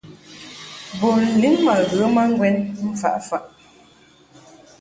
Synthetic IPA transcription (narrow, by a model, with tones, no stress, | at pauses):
bo˨n̩˨li˦mːa˨ɣə˨˦ma˦ŋ˦ɡwɛ˦nm̩˦fa̰˨ʔfa˨ʔ